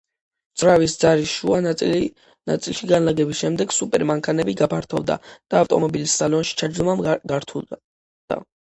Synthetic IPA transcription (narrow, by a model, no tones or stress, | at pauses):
d̪z̥ɾavisd̪zaɾiʃua | na̰t̪sʼilˠʃiɡanlaɡɛbisʃɛmd̪ɛɡsupʼɛɾmaŋkʰanɛbiɡapʰaɾt̪ʰɔ̰vˠd̪a̰d̪̥aːft̪ʼɔ̰mɔbilisːalɔnʃi̥t͡ʃʰad͡ʒd̪ɔmamɡaɾt̪ʰulˠ | d̪̥a̰